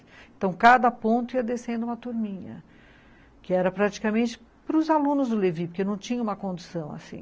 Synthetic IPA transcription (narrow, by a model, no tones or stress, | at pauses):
ẽnt̪ɐ̃w̃kad̪ɐpõnt̪ʊiɐd̪esẽnd̪ʊũmɐt̪uɾmĩɲɐ̰ | kɪɛɾɐpɾat͡ʃi̥kamẽnt͡ʃɪ̥ | pɾʊzalũnʊzd̪ʊlevipoɾkewnɐ̃w̃t͡ʃĩɲɐũmɐkõnd̪usɐ̃w̃a̰sḭ̃